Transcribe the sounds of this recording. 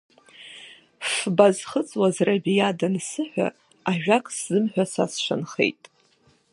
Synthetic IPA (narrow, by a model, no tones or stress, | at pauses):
fbazχət͡sʼwazrabijadansɨħʷᶣa̰ | aʒᶣakʼszɨmħʷᶣasa̰sʃʷa̰nχḛjtʼ